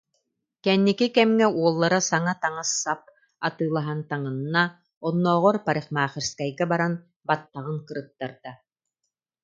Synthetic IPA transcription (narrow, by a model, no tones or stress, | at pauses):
kɛnːikikɛmŋɛuɔlˠːaɾasaŋat̪aŋasːap̚ | at̪ɯːlˠaɦant̪aŋɯnːa | ɔnːɔːʁɔɾpaɾiχmaːχiɾskajɡɛbaɾan | bat̪ːaʁɯŋkɯɾɯt̪ːaɾd̪̥a